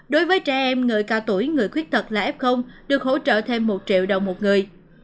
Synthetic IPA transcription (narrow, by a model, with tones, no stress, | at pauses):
ɗo˨˦jvəː˨˦jt͡ɕɛ˧ʔɛ˧mŋɨː˨˩jkaː˧wt̪u˧˩jŋɨ˨˩əjkwi˦˥ət̚t̪ʰə˨˩t̚laː˨˩ʔɛ˦˥p̚xə˧wŋ͡mɗɨ˨˩ək̚ɦo̰˧˥t͡ɕə̰ː˧˨t̪ʰe˧mːo˨˩t̚t͡ɕḭ˧˨əwɗə˨˩wŋ͡mmo˨˩t̚ŋɨ˨˩əj